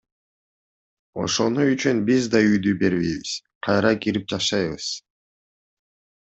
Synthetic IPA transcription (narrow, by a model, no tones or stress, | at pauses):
o̞̰ʃo̞nuyt͡ʃynbizd̪ɑyjd̪ybe̞ɾβejβiz̥ | qʰɑjɾɑkiɾip̚d͡ʒɑʃɑjβɯz̥